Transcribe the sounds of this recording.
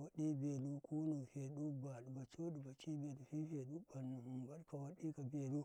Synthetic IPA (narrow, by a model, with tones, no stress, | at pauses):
wa˦ɗi˦be˨lu˦ku˦nu˨ɸe˨ɗu˦ba˨ɗu˨ba˨t͡ʃo˦ɗu˨ba˨t͡ʃi˦be˨du˨ɸi˦ɸe˨ɗu˦ba˨nnu˨mu˨mba˨ɗka˨wa˦ɗi˦ka˨be˨lu˦